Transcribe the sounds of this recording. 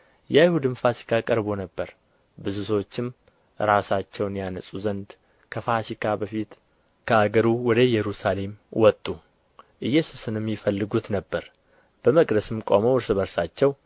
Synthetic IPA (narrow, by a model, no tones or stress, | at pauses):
jɛjhud̪ɨmfasi̥kʰʼakʼəɾbo̞nəbːəɾ | bɨzusəwot͡ʃːɪm | ɾasat͡ʃːɛwnjanəsʼuzənd̪ | kʰəfasikʰʼabəfit̪ | kʰəaɡəɾuwɔd̪əjɛɾusale̞mwɔt̪ʼːu | ʔɨjːɛsu̥sɨnɨmjɪfəlːɨɡut̪nəbːəɾ | b̥əməkʼd̪əsɨmkʼoməwɾsɨβəɾsat͡ʃːɛw